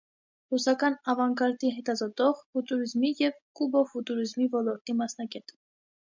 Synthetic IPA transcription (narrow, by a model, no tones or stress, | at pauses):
rusɑkɑnɑvɑŋkɑɾt̪iɦɛt̪ɑzɔt̪ɔʁfut̪uɾizmijɛvkubɔfut̪uɾizmivɔlɔɾt̪imɑsnɑɡɛt̪ə̥